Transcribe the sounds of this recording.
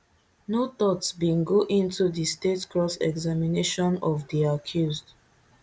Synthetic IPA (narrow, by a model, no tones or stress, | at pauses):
not̪ɔtsbĩnɡoʔĩntudistetkɹɔsɛ̰ɡzamineʃɔ̃nɔvdiakʰjuzd